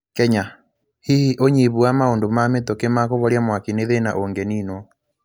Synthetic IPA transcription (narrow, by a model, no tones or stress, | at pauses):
kɛɲa | hihiʔoɲiβuamaondomametokemakoβɔɾjamwakineðena̰ʔoŋɡɛniːnwɔ